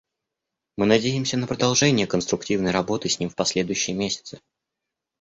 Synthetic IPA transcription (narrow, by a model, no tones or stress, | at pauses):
mɨnɐdʲejɪmsʲənəpɾəd̪ɐlˠʐɛnʲɪjəkənst̪ɾʊk̚tʲivnəjrɐbo̞t̪ɨsʲnʲimfpɐsʲlʲe̞d̪ʊjʉɕːɪjəmʲesʲɪ̥t̪sɨ̥